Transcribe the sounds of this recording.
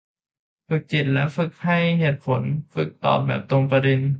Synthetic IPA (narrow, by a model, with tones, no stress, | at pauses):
fɯ˨˩k̚t͡ɕi˨˩t̪̚lɛ˦˥fɯ˨˩k̚hʰa˥˩jheː˨˩t̪̚pʰo˩˦nfɯ˨˩k̚t̪ɔ̰ː˨˩p̚bɛː˨˩p̚t̪o˧ŋpɾa˧de˧n